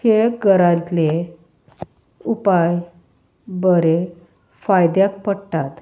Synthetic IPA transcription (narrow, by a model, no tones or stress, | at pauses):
heɡəɾãt̪le | upaj | bəɾe | fajd̪jak̚pəɽʈ̪at̪